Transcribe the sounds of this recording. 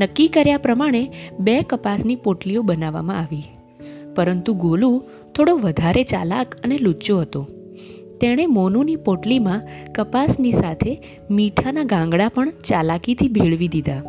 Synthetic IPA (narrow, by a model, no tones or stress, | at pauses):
nəkːikəɾjapɾəmaɽ̃ebekəpasnipoʈliobənaʋa̰mã̰aʋi | pəɾənt̪uɡolu | t̪ʰoɽoʋəd̪ʱaɾet͡ʃa̰lakənelut͡ʃoɦət̪o | t̪eɽ̃emɔnunipoʈlimãkəpasnisat̪ʰe | miʈʰanaɡãŋɡɽapəɳt͡ʃalakit̪ʰibʱeɭʋid̪id̪a